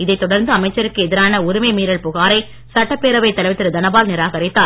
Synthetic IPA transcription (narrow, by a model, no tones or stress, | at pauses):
ɪðɐɪt̪ːɔɽɐɾnd̪ɯɐmɐɪt͡ʃːɐɾɯkːɯɛðɪɾaːnɐʊɾʊmɐɪmiːɾɐɭpʊɣaːɾɐɪ | sɐʈːɐpːeːɾɐʋɐɪt̪ːɐlɐɪʋɪt̪ːɪɾɯd̪ɐnɐbaːlnɪɾaːɣɐɾɪt̪ːaː